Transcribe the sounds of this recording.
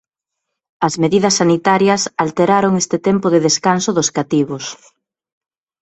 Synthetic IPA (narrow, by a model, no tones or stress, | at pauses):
ɐzmeðiðɐsːanit̪aɾjɐsalt̪eɾaɾoŋest̪ɪt̪ɛmpʊðeðeskansʊðʊskat̪iβos